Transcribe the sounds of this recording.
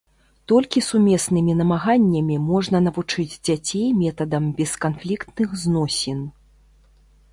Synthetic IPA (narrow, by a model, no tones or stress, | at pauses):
t̪ɔlʲkʲisumʲɛsnɨmʲinɐmaɣanʲːɐmʲimɔʐnɐnɐvut͡ʂɨd͡zʲd͡zʲat͡sʲejmʲɛt̪ɐd̪ɐmbʲɛskanflʲikt̪nɨxznɔsʲin